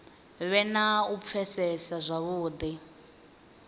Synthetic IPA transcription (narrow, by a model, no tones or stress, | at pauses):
βɛnaup̪fʰɛsɛsazʷaβuːd̪i